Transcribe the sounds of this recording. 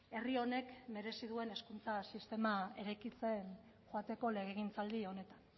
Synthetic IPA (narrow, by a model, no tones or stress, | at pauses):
e̞rio̞ne̞kme̞ɾe̞siðue̞ne̞skunt͡sasist̪e̞mae̞ɾajkit͡se̞n | xoat̪e̞ko̞le̞ɣ̞eɣ̞int͡sald̪io̞ne̞t̪an